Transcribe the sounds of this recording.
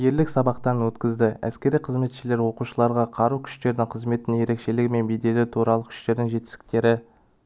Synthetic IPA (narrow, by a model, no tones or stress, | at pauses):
je̞ɾlɪksɑbɑqt̪ɑɾənwɵt̪kʲɪzd̪ɪæ̰skʲe̞ɾijqʰəzme̞t̪ʃɪle̞ɾwo̞quʃəlˠɑɾʁɑqʰɑɾukʲʰʏ̥ʃt̪e̞ɾd̪ɪŋqʰəzme̞t̪ɪnje̞ɾe̞kʃe̞lɪɡʲɪme̞nbejd̪e̞lɪt̪ʰuɾɑlˠəkʰʏ̥ʃt̪e̞ɾd̪ɪŋʒe̞t̪ɪ̥sɪ̥k̚t̪e̞ɾɪ